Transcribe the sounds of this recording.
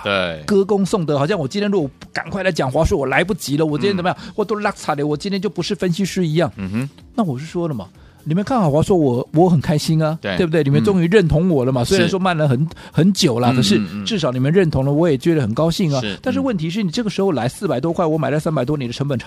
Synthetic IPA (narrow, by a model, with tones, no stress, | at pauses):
kɤ˥kʊ˥ŋsʊ˥˩ŋt̪ə˧˥xɑ˨˩ɕjɑ˥˩ŋwɔ˨˩t͡ɕi˥nt̪ʰjnɻu˧˥ɔ˧˥ka̰˨˩nkwa˥˩ɪla˧˥ɪt͡ɕjɑ˨˩ŋxwa˧˥ʂwɔ˥wɔ˨˩la˧˥ɪp̬u˥˩t͡ɕi˧˥lə˧˨wɔ˨˩t͡ɕi˥nʰjt͡sm˧jɑ˥˨wɔ˥˩t̪ɔ˥lə˦la˥kt͡sʰa˨˩d̪e˧˩wɔ˨˩t͡ɕi˥nt̪ʰjt͡ɕjo˥˩ʊpu˧˥ʂɻ̩˥˩fə˥nɕi˥ʂɻ̩˥i˧˥jɑ˥˩ŋ | na˥˩wɔ˨˩ʂɻ̩˥˩ʂwɔ˥lə˨mɐ̰˩ | ni˨˩mə˧˥nkʰa˥˩nxɑ˨˩ʊxa˧˥ʂwɔ˥wɔ˨˩wɔ˧˥xə˨˩nkʰa˥ɪɕi˥nɐ˨˧e˥˩bu˧t̪e˥˩˨ni˨˩m˥˧nt͡sʊ˥ŋy˧˥ɻə˥˩nt̪ʰʊ˧˥ŋwɔ˨˩lə˦mɐ˨swɪɻa˧˥nʂwɔ˥ma˥˩nlə˩xə˧˩nxə˧˥nt͡ɕjo˨˩ʊlɐ˦kʰɤ˨˩ʂ̬ɻ̩˥˧ʈ͡ʂɻ̩˥˩ʂ̬ɑ˧˥ʊni˨˩mə˥˧˦ɻə˥˩nt̪ʰʊ˧˥ŋlə˧wɔ˧˥jɛ˨˩t͡ɕɥɛ˧˥d̪ə˧˩xə˨˩nkɑ˥ʊɕi˥˩ŋa˨˦t̪a˥˧nʂɻ̩˥˧wə˥˩nt̪ʰi˧˥ʂɻ̩˥˩ni˨˩ʈ͡ʂɤ˥˩ɡə˩ʂɻ̩˧˥xo˥˧ʊla˧˥ɪsɹ̩˥˩pa˨˩ɪt̪wɔ˥kʰwa˥˩ɪwɔ˧˥ma˨˩ɪlsa˥npa˨ɪt̪wɔ˥ni˨˩d̪ə˦ʈ͡ʂʰɤ˧˥ŋpə˨˩nʈ͡ʂʰ